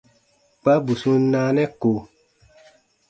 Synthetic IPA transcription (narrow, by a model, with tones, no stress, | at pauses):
k͡pa˦bu˨sũ˧n˦nãː˧˦nɛ̃˦ko˨